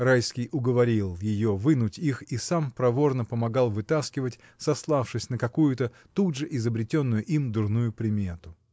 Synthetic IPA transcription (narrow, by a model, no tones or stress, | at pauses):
rajskʲɪjʔʊɡəvɐɾʲilˠjɪjovɨnʊtʲixisampɾɐvo̞rnəpəmɐɡalˠvɨt̪askʲɪvətʲ | sɐslˠafʂɨsʲnəkɐkujʊt̪ə | t̪udʐɨʔɪzəbɾʲɪtʲo̞nːʊjʊʔimd̪ʊrnujʊpɾʲɪmʲe̞t̪ʊ